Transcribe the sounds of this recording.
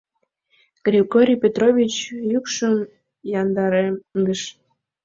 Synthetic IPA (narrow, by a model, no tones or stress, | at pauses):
ɡ̥rʲiɡoɾʲijpʲet̪rovʲit͡ɕjykʃəm | jɑnd̪ɑɾemɡ̪əʃ